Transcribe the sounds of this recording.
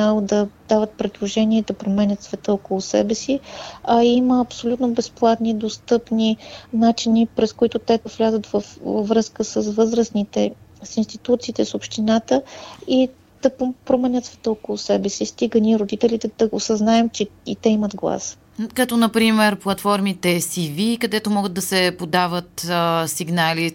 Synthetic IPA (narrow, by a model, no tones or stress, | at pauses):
alˠd̪ɐd̪avət̪̚pɾɛd̪lˠoʒɛniɛd̪ɐpɾomɛnʲət̪svɛt̪əokolˠʊsɛ̰bɛsiɐiməːpsolʲut̪nobɛsplˠat̪nid̪ost̪ɤpninat͡ʃinipɾɛskoit̪ʊt̪ɛovlʲazət̪vəfvəvɾɤskəsəsvɤzɾəsnit̪ɛsinst̪it̪ut̪siːt̪ɛsopʃt̪inat̪əi | d̪̥ɐpɾomɛnʲət̪svɛ̥t̪əokolˠʊsɛbɛsist̪iɡəniɾod̪it̪ɛlʲit̪ɛd̪̥ɐosɐznaɛmt͡ʃɛit̪ɛiməd̪ɡlˠa̰s | kɐt̪ɔnɐpɾimɛɾplˠɐt̪fɔɾmit̪ɛsivikɐd̪ɛt̪omɔɡəd̪̚d̪ɐsɛpod̪avət̪siɡnali